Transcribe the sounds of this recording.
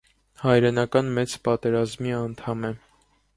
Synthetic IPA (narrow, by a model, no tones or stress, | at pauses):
hɑjɾɛnɑkɑnmɛt͡spɑt̪ɛɾɑzmiɑnt̪ʰɑmɛ